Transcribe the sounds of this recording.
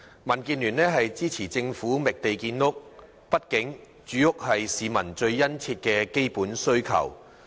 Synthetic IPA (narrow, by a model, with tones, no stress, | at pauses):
mɐ˨˩nkiː˧nlyː˨˩nɛː˥ɦɐ˨jt͡siː˥t͡sʰiː˨˩t͡sɪ˧ŋfuː˨˥mɪ˨k̚t̪e˨jkiː˧nːʊ˥k̚ | pɐ˥t̚kɪ˨˥ŋ | t͡ʃyː˨jʊ˥k̚hɐ˨jsiː˨˧mɐ˨˩nt͡ʃɵ˧ɥjɐ˥nt͡sʰiː˧t̚kɛː˧ke˥jpuː˨˥nsɵ˥ɥkʰɐ̰˨˩w